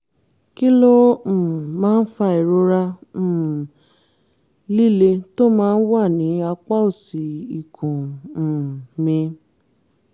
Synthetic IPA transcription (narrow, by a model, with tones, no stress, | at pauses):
ki˦lõ˦˨ | mãː˦n̩˦fa˧i˨ɾo˧˦ɾã˧˨ | li˦˨le˧to˦mãː˦n̩˦wa˦˨nĩ˨˦a˧k͡pa˦o˦˨si˨i˨kʰũ˨ | mĩ˧